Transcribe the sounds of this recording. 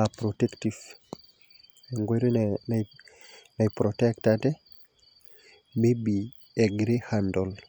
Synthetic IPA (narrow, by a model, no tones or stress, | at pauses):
apɾotektif | eŋɡweɾin | napɾɔtɛktatɛ | mebi | eɡɾehandɔl